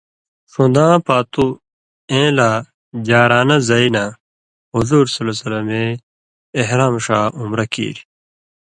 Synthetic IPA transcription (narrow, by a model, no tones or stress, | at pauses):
ʂõnd̪ãːpaːt̪u | ẽːlaː | d͡ʑaːɾaːnɐzɐina | ɦuzuːɾsɐlosɐlɐmeː | ɦɾaːmʂaːumɾɐkḭːɾi